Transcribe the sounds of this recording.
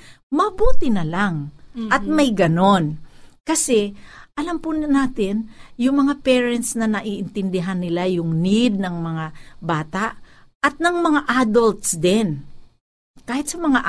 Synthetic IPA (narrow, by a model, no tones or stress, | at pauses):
mɐbuːt̪ɪnɐlaŋʔɐt̪̚mɐjɡɐno̞nkɐsɛʔɐlampʊnaːt̪ɪnjʊŋmɐŋapɛːɹɛnt̪snɐnɐʔiʔɪnt̪ɪnd̪ɪɦanːɪlajʊŋnid̪̚nɐŋmɐŋabaːt̪aʔ | ʔɐt̪̚nɐŋmɐŋaʔad̪olt̪sd̪ɛn | kaːhɪt̪sɐmɐŋaʔ